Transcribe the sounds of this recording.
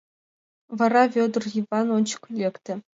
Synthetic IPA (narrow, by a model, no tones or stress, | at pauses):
vɤ̆ɾɑvʲod̪rjivɑnont͡ɕkʲylʲːekt̪ʲɘ̆